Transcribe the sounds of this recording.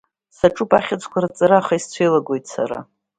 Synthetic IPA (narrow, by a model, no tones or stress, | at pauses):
saʈ͡ʂʼupʼaχʲat͡sʰʼkʷʰaɾat͡sʼaɾaːχaist͡sʷʰejlaɡʷo̞jtʰʼsa̰ɾa̰